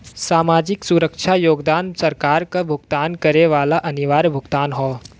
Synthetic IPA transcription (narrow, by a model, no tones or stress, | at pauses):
saːmaːd͡ʒɪksuɾəkʃʰajoːɡd̪aːnsəɾkaːɾkabʱʊɡt̪aːnkɐɾeʋaːlaʔɐniʋaːɾbʱʊɡt̪aːnɦɔː